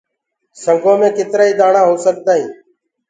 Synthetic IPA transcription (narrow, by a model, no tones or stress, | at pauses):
səŋɡʱõːmẽːkɪt̪ɾaːiːd̪aːɳãːɦoːsək̚t̪aːɦĩː